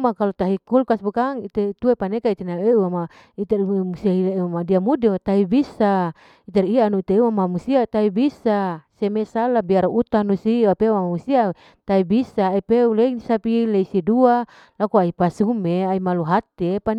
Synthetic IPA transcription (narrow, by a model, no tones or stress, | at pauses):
makalot̪aɦikulkasbukaŋit̪et̪uepanekait̪enaeuama | it̪ɛrmusiaileamadiamudet̪aɦibisa | it̪ɛriaːnuit̪eeuamamusiat̪aibisasemesalabiaɾut̪anusiapeuamamusia | t̪aibisaːipeulesapileisidua | lakuaipasumeaimaluɦat̪epan